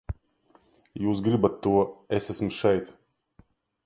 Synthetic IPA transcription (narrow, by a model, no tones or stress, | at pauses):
juːs̬ɡɾibat̪ːuɔesæsmʃɛjt̪